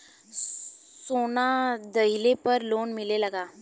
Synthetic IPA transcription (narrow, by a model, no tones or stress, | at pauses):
sonad̪əɦilepəɾlonmileləɡa